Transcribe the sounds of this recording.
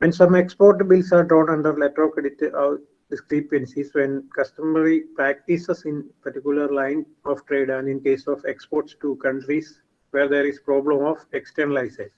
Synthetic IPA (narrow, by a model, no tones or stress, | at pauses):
ʋɛ̃nsʌ̃mekspoːɾʈbɪlsaːɾɖɾɔ̃ːnɐ̃ɳɖəɾleʈɾoːkeɖɪʈa | ɖɪskɾipə̃nsisʋɛ̃nkɐsʈəməɾipɾæk̚ʈisəsɪ̃npəɾʈikjʊləɾlãɪ̃n | ɔːʋʈɾeːɖɛ̃nɖɪ̃nkeːsɔːfekspoːɾʈsʈukʌ̃ɳʈɾis | ʋeːɾd̪eːɾizpɾɔːblə̃mɔːʋeksʈəɾnəlaɪses